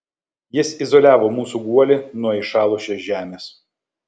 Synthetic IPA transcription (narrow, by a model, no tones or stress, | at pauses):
jɪsɪzɔlʲæːʋoːmuːsuɡuɔlʲɪnuɔiˑʃɑːlˠʊʃʲɛsʒʲæːmʲeːs